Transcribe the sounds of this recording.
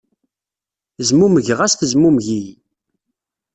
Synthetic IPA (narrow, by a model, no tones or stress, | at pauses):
zmuməʝʁæsθəzmumʝij